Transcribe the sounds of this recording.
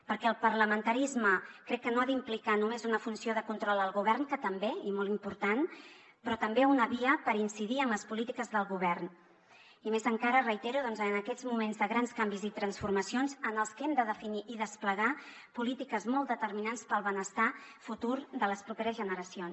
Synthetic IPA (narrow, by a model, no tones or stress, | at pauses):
pəɾkɛəlˠpərləmənt̪əɾizməkɾɛkːənoaðimplikanumezunəfunsioðəkunt̪ɾɔlˠəlˠɣuβɛrnkət̪əmbeimolˠimpuɾt̪an | pɾɔt̪əmbeunəβiəpəɾinsiðiəmləspulit̪ikəzðəlˠɣuβ̞ɛrn | imezəŋkaɾərəit̪eɾuðɔnzənəkɛd͡zmumenzðəɣɾanskambizit̪ɾənsfurməsionzənəlˠskɛmd̪əðəfiniʔiðəspləɣa | pulit̪ikəzmɔlˠd̪ət̪əɾminanspəlˠβənəst̪afut̪uɾðələspɾupeɾəzʒənəɾəsions